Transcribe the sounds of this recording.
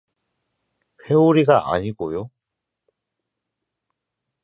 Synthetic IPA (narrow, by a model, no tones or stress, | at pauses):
ɸeuɾiɡaʔa̰ɲiɡojo